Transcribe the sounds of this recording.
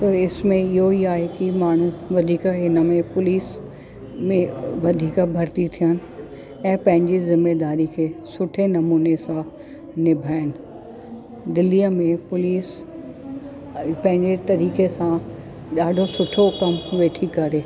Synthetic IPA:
t̪ɐɪsmẽɪɦoiaːɦekimaːɳ̤ũʋɐd̪ʱiːkaɦɪnəmẽpʊliːs | mẽʋɐd̪ʱiːkabʱɐɾt̪it̪ʰijənɪ̆ | ɛ̃ːpɐ̃ɦɪ̃ɲd͡ʑizɪmːeːd̪aːɾikʰeːsʊʈʰenɐmuːnesã | nɪbʱaːɪnɪ̆ | d̪ɪlijəmẽpʊliːs | pɐ̃ɦɪ̃ɲd͡ʑet̪ɐɾiːkesã | ɗaːɖʱosʊʈʰokɐmʋeːʈʰikɐɾeː

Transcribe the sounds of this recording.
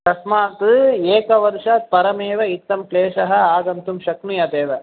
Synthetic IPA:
k̪ɐsmaːt̪ɨeːkɐʋɐɾʃɐt̪̚pɐɾɐmeːʋɐit̪ːɐmkleːʂɐɦɐ̆aːɡɐnt̪umʃɐknujɐd̪eːʋɐ

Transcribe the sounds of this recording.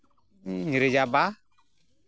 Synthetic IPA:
ɲiɾed͡ʒaba

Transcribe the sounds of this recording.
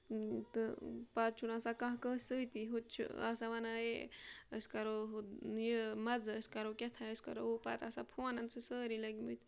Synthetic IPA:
t̪ɨpaːt̪̚t͡ʃʰunaːsakãɦkəːsət̪iɦut͡ʃʰṵa̰saʋanaeəskɐɾoɦjəmɐd͡zəskaɾokʲet̪ʰaəskɐ̰ɾoupaːt̪aːsapʰuanɐnt͡sɨsəːɾilɐɡmət̪

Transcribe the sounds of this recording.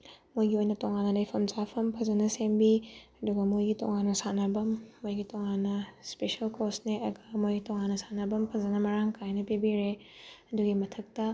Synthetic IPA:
mojɡiojnɐtoŋanɐlɐjpʰɐmzapʰɐmpʰɐzɐnɐsembiɐduɡɐmojɡito̰ŋanːɐsanɐbɐmːojɡitoŋanːɐspeʃɐlkosneɐɡɐmojɡitoŋanːɐsanɐbɐmpʰɐzɐnɐmɐɾaŋkʰajnɐpibiɾeɐduɡimɐtʰɐk̚tɐ

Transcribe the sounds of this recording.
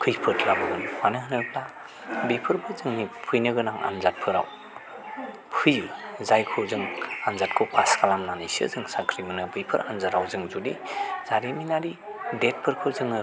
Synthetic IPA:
kʰɯjpʰɯtʰlabɯɡɯnmanɯɦɯnɯp̚ʰla | bijpʰɯɾbɯzɯŋnipʰujnɯɡɯnaŋa̰nzat̚pʰɯɾa̰w | pʰujzajkʰɯzɯŋanzat̚kʰopʰaskalamnanisɯ̰zɯŋsakʰɾimɯnɯbɯjpʰɯ̰ɾanzaɾawzɯŋzudiz̥aɾiminaɾi | det̚pʰɯɾkʰɯzɯŋɯ

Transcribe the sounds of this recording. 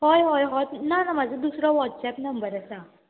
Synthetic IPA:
hɔjɦɔjɦɔt̪nanamad͡zəd̪usɾɔʋɔʈsɛpnəmbəɾəsa

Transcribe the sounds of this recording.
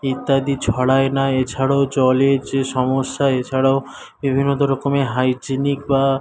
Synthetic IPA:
it̪ːad̪it͡ɕʰɔɽaenaet͡ɕʰaɽaod͡ʑɔleɾd͡ʑeʃɔmoʃːaet͡ɕʰaɽao | bibʱinːod̪oɾɔkomeɦajd͡ʑinik̚ba

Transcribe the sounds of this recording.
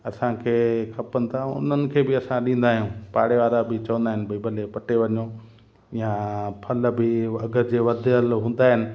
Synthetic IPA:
ɐsãkʰeːkʰɐpənɪ̆t̪ʰaʊ̰n̤ənɪ̆kʰeːbɪɐsãɗĩːn̆d̪aːɦijũːpaːɽeʋaːɾabɪt͡ɕɐʋə̃nd̪aːɦɪnɪ̆bʱɐibɐlepɐʈeʋɐɲo | jãpʰɐlbɪɐɡə̆d͡ʑeːʋɐd̪ʱəlɦũːn̆d̪aːɦɪnɪ̆

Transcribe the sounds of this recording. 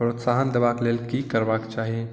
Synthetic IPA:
pɾot̪saɦənd̪əbaklelkikəɾbakt͡ʃaɦie

